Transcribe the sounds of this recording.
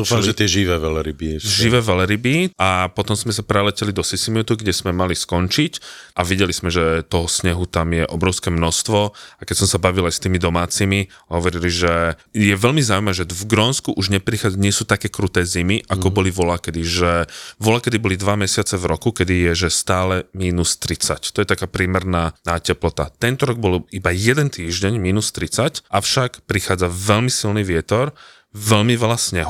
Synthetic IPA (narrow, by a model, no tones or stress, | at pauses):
uːfamʒɛt̪ɪɛʒiʋɛːʋɛlɛɾibiʒiʋɛːʋɛlɛɾibiapɔt̪ɔmzmɛs̬apɾɛlɛcɛlid̪ɔsisimut̪uɡɟɛz̥mɛmaliskɔnt͡ʃicʔaʋiɟɛlizmɛʒɛt̪ɔɦɔsɲɛɦut̪amjɛʔɔbɾɔʊskɛːmnɔst̪ʋɔakɛcsɔmsabaʋilajst̪iːmid̪ɔmaːt͡simiɦɔʋɔɾiliʒɛjɛʋɛlmizaːuimaʒɛvɡɾɔnskuʔuʒɲɛpɾixaɲɪɛsuːt̪akɛːkɾut̪ɛːzimiʔakɔbɔliʋɔlakɛd̪iʒɛʋɔlakɛd̪ibɔlid̪ʋamɛsɪat͡sɛvɾɔkukɛd̪ijɛʒɛst̪aːlɛmiːnust̪ɾit͡sa̰ct̪ɔjɛt̪akaːpɾɪɛːmɛɾnaːnaːcɛplɔt̪a̰t̪ɛnt̪ɔɾɔɡ̚bɔlibajɛd̪ɛnt̪iːʒɟɛɲmiːnust̪ɾit͡sacʔafʃakpɾixaːd͡zaʋɛlmisilniʋɪɛt̪ɔɾ | vɛlmiʋɛlasɲɛɦ